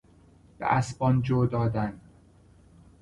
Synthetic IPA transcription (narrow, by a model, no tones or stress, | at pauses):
b̥ḛʔæsbɒnd͡ʒoːd̪ɒːd̪æn